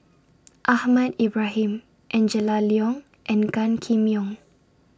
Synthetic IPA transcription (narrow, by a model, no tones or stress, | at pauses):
ʔahmadibɹaɦĩm | ʔɛ̃nd͡ʒəlaliɔ̃ŋ | ʔɛ̃nɡãnkʰĩmiɔ̃ŋ